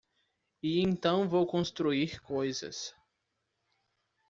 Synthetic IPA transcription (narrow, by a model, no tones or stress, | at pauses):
iẽnt̪ɐ̃w̃vowkõst̪ɾuiɾkojzɐ̰s